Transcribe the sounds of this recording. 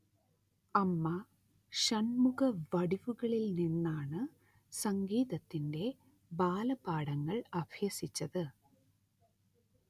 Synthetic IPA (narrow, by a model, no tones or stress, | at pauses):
ɐmːɐ | ɕɐnmuɣɐʋɐɽiʋuɣɐɭilninːaːɳɨ | sɐŋɡiːðɐt̪ːinde̞ | baːlɐbaːɽɐŋːɐɭɐbʱjɐsit͡ɕːɐðɨ